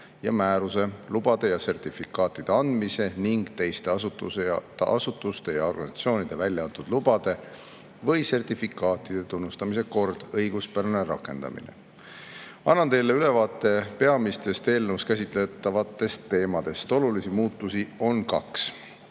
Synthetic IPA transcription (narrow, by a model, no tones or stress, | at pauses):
jɑmæːɾuse̞lub̥ɑd̪̥e̞jɑse̞rt̪ifikːˑɑːt̪ːˑid̪̥e̞ɑnd̪̥mise̞niŋɡ̥t̪e̞jst̪e̞ɑsut̪ueʔɑ̰sut̪ːˑust̪e̞jɑo̞rɡ̥ɑnsɑt̪sio̞ːnid̪̥e̞vælʲjɑɑnt̪ud̪lub̥ɑd̪̥e̞ | vɤjse̞rt̪ifikˑɑːt̪ˑid̪̥e̞t̪unːust̪ɑmise̞ko̞rd̪̥ɤjɡ̥uspæɾeneɾɑ̰kːˑe̞̰nd̪̥ɑ̰mḭnḛ | ɑnːɑnt̪e̞jlːe̞yle̞vɑːt̪ːˑe̞pe̞ɑmist̪e̞st̪e̞ːlnuskæs̬ʲit̪ˑlet̪ːˑɑvɑt̪ːˑe̞st̪ːe̞ːmɑd̪̥e̞st̪o̞lulisimuːt̪ːˑusio̞nkɑ̰ks